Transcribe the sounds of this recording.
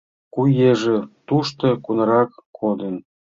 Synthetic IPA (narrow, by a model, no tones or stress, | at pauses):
kujeʒĕt̪uʃt̪ɤ̆kunɑɾɑkːod̪ə̆n